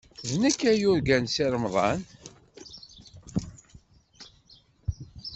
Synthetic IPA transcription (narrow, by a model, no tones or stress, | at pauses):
ðnəkːæjʊɾɡænsiɾˤmðˤɑn